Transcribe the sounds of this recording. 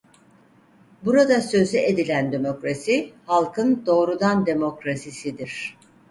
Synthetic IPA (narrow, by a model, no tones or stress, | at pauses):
buɾad̪asø̞zyʔed̪ilʲænd̪e̞mo̞kɾasihalˠkʰɯnd̪o̞ːɾud̪and̪e̞mo̞kɾasisid̪iɾ̥